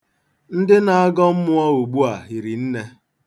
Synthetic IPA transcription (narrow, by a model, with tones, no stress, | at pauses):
n̩˦dɪ˦na˨a˦ɡɔ˦m̩˦mʊ˦ɔ˦u˨ɡ͡bu˦a˨ɦi˨ɾi˨n̩˦ne˦